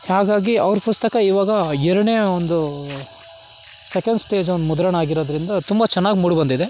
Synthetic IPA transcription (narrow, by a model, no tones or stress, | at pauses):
haːɡaːɡiɐʋɐɾpust̪ɐkɐiːʋaːɡɐɛɾɐɳeːond̪u | sekɐɳɖsʈe̞ːd͡ʒond̪umud̪ɐɾɐɳaːɡiɾoːd̪ɐɾind̪ɐt̪umbɐt͡ʃɛnːaːɡimuːɽibɐnd̪id̪e̞